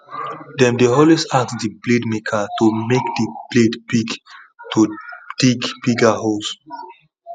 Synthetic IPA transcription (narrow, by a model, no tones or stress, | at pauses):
dɛ̃mdeɔlwesassdibledmekʰatumekdib̥ledbiɡ | tʰud̥iɡbiɡaɦos